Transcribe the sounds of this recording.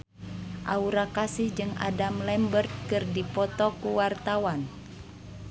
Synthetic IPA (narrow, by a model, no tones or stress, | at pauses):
ʔauɾakasɪhd͡ʒɨŋa̰damlɛmbərt̪̚kɨrdipɔt̪ɔkuwart̪awan